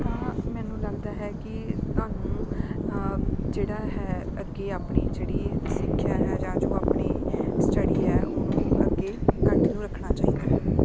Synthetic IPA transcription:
amɛːnũːləɡd̪aːɦɛːkɪt̪waːnũː | d͡ʒeːɽaːɦɛːəɡeːaːpɳiːd͡ʒeːɽiːsɪkʰːjaːɦɛːd͡ʒãːd͡ʒõːaːpɳiːsʈəɽiːɦɛːʔʊnũːəɡeːkəʈnũːɾəkʰnaːt͡ʃaːiːɡaːɛ

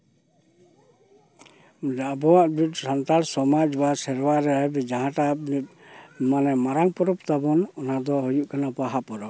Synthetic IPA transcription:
d͡ʒaʔbɔwaʔbitsant̪alsɔmad͡ʒbasɛɾwaɾɛbɛd͡ʒaɦãʈanit̪̚ | manɛmaɾaŋpɔɾɔpt̪abɔnɔnad̪ɔɦojuʔkanapaɦapɔɾɔ

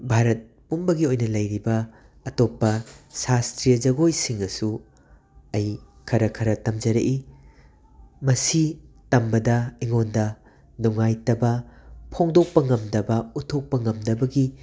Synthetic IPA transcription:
bʱaɾɐt̚ | pumbɐɡiojnɐlɐjɾibɐː | topːɐsastɾijɐd͡ʒɐɡojsiŋɐsu | ɐj | kʰɐɾɐkʰɐɾɐtɐmd͡ʒɐɾɐʔi | mɐsi | tɐmbɐdɐiŋondɐ | nuŋajtɐbɐpʰoŋdok̚pɐŋɐmdɐbɐutʰok̚pɐŋɐmdɐbɐɡi

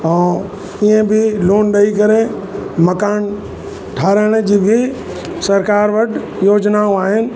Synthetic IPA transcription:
ɛ̃ː | iə̃bʱɪloːnɗɐikɐɾe | mɐkaːn | ʈʰaːɾəɽ̃d͡ʑiːbʱɪ | sɐɾkaːɾʋɐɖʱ | joːd͡ʑnaõaːɦɪnɪ̆

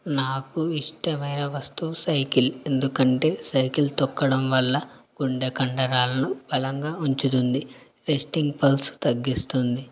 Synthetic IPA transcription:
naːkuiʂʈɐmɐjnɐʋɐst̪uːsɐjkile̞nd̪ukɐɳʈe̞ːsɐjkilt̪ɔkːɐɽɐmʋɐlːɐɡ̥uɳɖekɐɳɖɐɾaːlɐnub̥ɐlɐŋɡaːuɲt͡ʃut̪und̪i | ɾesʈiŋɡpɐlst̪ɐɡːist̪und̪i

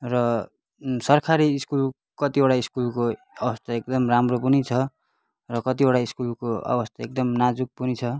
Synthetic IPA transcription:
rʌ | sʌrkʰaɾiːskul | kʌt̪iboɽʈaiskulko | ʌbʌst̪ʰaek̚d̪ʌmramropunit͡sʰʌ | rʌkʌt̪iboɽaiskulkoʌ̰bʌst̪aek̚d̪ʌmnad͡zuk̚punit͡sʰʌ

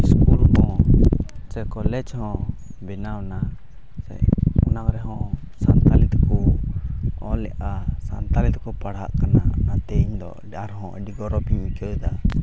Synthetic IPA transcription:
iskulhɔ̃ | t͡ʃɛkɔlɛd͡ʒhɔ̃ | bɛnawna | sɛ̰ɔnaŋɾɛɦɔ̃ | sant̪alit̪ku | ɔlɛʔasant̪alit̪kɔpaɽɦa̰ʔkananat̪ɛɲd̪ɔ̰ | aɾɦɔ̃ʔɖiɡɔɾɔpiɲmikɛjd̪a

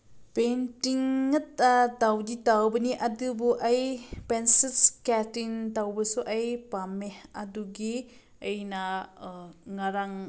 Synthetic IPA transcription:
pentiŋːɐt̚atawditawbɐniʔadɯbuʔajpensilskɛtintawbɯsuʔajpamehaduɡi | ejna | ŋaɾaŋ

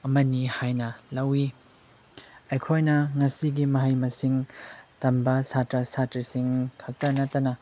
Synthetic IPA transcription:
ɐmɐnihajnɐlɐwi | ɐjkʰojnɐŋɐsiɡimɐɦɐjmɐsiŋtɐmbɐsatɾɐsatɾɐsiŋkʰɐtɐnɐtːɐnɐ

